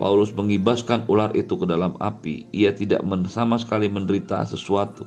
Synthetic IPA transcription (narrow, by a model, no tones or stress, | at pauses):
pa̰ulʊsməŋibaskanularʔit̪ukədalama̰piiat̪ida̰ʔməsamasə̥kaliməndəɾit̪a̰səsuat̪u